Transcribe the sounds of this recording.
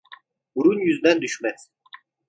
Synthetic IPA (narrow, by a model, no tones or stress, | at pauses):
buɾunjyzd̪ænd̪yʃmɛs